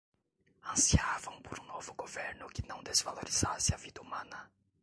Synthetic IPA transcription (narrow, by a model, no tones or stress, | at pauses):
ɐ̃siavɐ̃w̃poɾũnovʊɡoveɾnʊkɪnɐ̃w̃d̪ezvaloɾiz̥asɪɐvid̪ɐumɐ̃nɐ